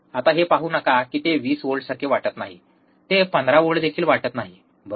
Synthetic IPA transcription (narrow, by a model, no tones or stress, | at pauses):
at̪aɦepaɦuːnəkakiːt̪eʋiːsʋoɭɽsəɾkʰeʋaʈət̪naɦḭ | t̪epənd̪ɾaʋoɭd̪ekʰiːlʋaʈət̪naɦi | bə